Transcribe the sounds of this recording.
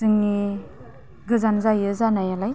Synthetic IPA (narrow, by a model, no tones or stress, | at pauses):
ɯŋni | ɡɯzanzajɯzanajalaj